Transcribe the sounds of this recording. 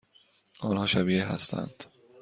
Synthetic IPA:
ʔɒːnhɒːʃæbiːɦæ̰st̪ʰæ̰nd̪̥

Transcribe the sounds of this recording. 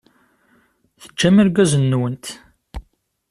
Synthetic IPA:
θə̥t͡ʃːæmiɾɡæzənːwənt̪

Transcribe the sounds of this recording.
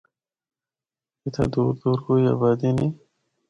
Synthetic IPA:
it̪ʰa̰d̪uɾd̪uːɾɡuja̰bad̪ini

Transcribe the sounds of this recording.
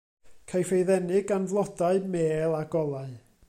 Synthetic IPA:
kʰajfejðɛnɪɡanvlˠɔdaɨmeːlˠaɡɔlˠaɨ

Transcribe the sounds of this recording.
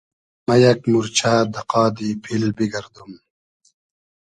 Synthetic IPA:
mɐjɐkmuɾt͡ɕʰaːd̪ɐqɑːd̪iːpʰilbiɡɐɾd̪um

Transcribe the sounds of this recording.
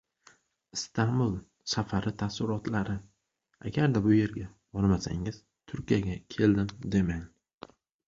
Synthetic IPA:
ɪst̪ʰambʊlˠ | safaɾɪt̪ʰasɪɾɒt̪laɾɪ | a̰ɡʲaɾd̪abʊje̞ɾɡʲa | bɒɾmasa̰ŋɪz̥ | t̪ʰʊɾkʲijaɡʲakʲʰe̞ld̪ɪmd̪e̞man

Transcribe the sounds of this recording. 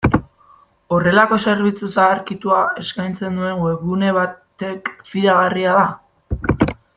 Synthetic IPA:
o̞re̞lako̞se̞ɾβit͡susaːɾkit̪uae̞skajnt͡se̞nd̪ue̞ŋɡwe̞βune̞βat̪e̞kfiðaɣariaða

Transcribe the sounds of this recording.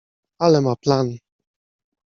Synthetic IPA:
alɛmaplan

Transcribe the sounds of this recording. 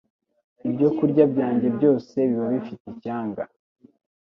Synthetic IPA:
ibɟo̞kuɾɟabɟaːɲɟe̞bɟo̞ːse̞βiβaβifiticaːŋɡa

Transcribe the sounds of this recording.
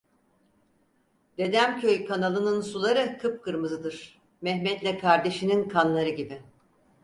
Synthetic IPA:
d̪̥e̞d̪æmcʰøjkʰanalˠɯnɯnsulˠaɾɯkʰɯp̚kɯɾmɯzɯd̪ɯɾ̥ | mɛɦmɛt̪lʲɛkʰaɾd̪e̞ʃininkʰanlˠaɾɯɟibi

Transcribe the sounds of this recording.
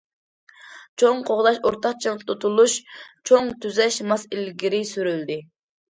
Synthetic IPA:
t͡ʃʰoŋqʰoʁd̪ɑʃoɾt̪ʰɑqt͡ʃʰɑpt̪ʰut̪ʰulˠuʃt͡ʃʰoŋt̪ʰyzɛʃmɑsilɡʲiɾɪsyɾyld̪ɪ

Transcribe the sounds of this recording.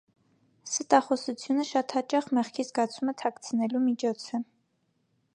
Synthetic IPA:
sət̪ɑχɔsut͡sʰjunəʃɑt̪hɑt͡ʃɑχmɛχkʰizɡɑt͡sʰumət̪ʰɑkt͡sʰənɛlumit͡ʃʰɔt͡sʰɛ

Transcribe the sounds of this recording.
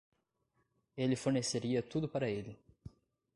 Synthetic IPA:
elɪfoɾneseɾiɐt̪ud̪ʊpaɾɐelɪ

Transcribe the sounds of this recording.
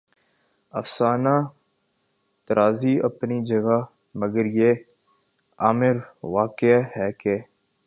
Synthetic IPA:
ɐfsaːna | t̪əɾaːziɐ̰pnid͡ʒɐɡa | məɡəɾjeː | aːmɪɾʋaːkɪɦɛːke

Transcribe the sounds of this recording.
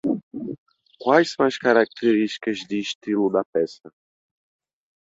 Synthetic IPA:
kwajssɐ̃w̃ɐskaɾak̚t̪eɾiʃt̪i̥kɐzd̪ɪːʃt̪ilʊd̪ɐpɛsɐ

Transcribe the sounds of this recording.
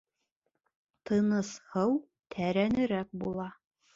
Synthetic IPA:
t̪ʰɤ̆nɤ̆shɤw | t̪ʰæɾænɘ̆ɾæk̚bulˠɑ

